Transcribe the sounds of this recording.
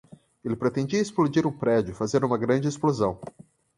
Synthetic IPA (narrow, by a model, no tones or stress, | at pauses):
elɪpɾet̪ẽnd͡ʒiɐesplod͡ʒiɾũpɾɛd͡ʒʊfazẽɾd̪ũmɐɡɾɐ̃d͡ʒɪesplozɐ̃w̃